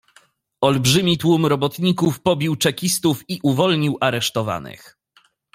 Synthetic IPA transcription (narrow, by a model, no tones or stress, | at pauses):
ɔlbʐɘmʲit̪wumɾɔbɔt̪ɲikufpɔbʲiwt͡ʂɛkʲist̪ufiʔuvɔlɲiwʔaɾɛʂt̪ɔva̰nɘ̰x